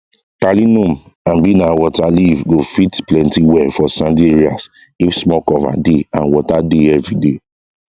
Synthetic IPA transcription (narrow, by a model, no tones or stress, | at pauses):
kalinũm | ãnbinawɔtalivɡofitplɛ̃ntiwɛfɔsãndiɹia̰s | ifsmɔkɔva̰deãnwɔtadeɛvɹide